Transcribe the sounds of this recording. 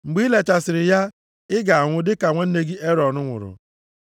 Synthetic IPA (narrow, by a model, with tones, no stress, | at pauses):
ŋ͡m̩˨ɡ͡biː˦le˨t͡ʃa˨sɪ˨ɾɪ˨ja˦ | ɪ˦ɡa˨a˨ŋʷʊ˦dɪ˦ka˨ŋʷe˦n̩˦ne˦ɡi˦ʔe˦ɾɔ˨nʊ˦ŋʷʊ̰˨ɾʊ̰˨